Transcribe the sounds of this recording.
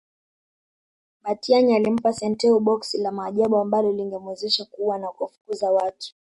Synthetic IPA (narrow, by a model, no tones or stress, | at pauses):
ɓatiaɲialim̩pasɛntɛuɓɔksilamaːʄaɓuambalɔliŋɡɛmwɛzɛʃakuwanakuafu̥kuzawatu̥